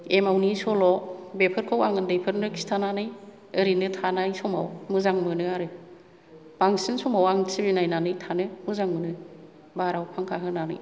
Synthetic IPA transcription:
emawnisɔlɔbepʰɯɾkʰawaŋɯndejpʰɯɾnɯkʰi̥stʰananɯj | ɯɾinɯtʰanajsɔmawmɯzaŋmɯnɯaɾɯ | b̥aŋsinsɔmawaŋsibinajnanɯjtʰanɯmɯzaŋmɯnɯ | baɾawpʰaŋkʰaɦɯnanɯ̰j

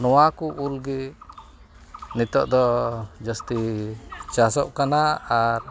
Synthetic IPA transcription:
nɔwakuʔulɡi | nit̪ɔʔd̪ɔd͡ʒəst̪i | t͡ʃasɔ̰ʔkanaːɾ

